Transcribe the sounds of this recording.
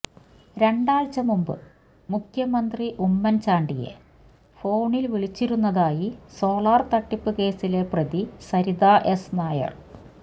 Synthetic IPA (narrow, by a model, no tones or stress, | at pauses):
ɾe̞ɳɖaːɭt͡ɕɐmumbɨ̰ | mukʰjɐmɐnd̪riʔumːɐnt͡ɕaːɳɖije̞̰ | fo̞ːɳilʋiɭit͡ɕːiɾunːɐðaːjiso̞ːlaːrt̪ɐʈːipːɨke̞ːsile̞prɐðisɐɾiðaːʔe̞snaːjɐ̰ɭ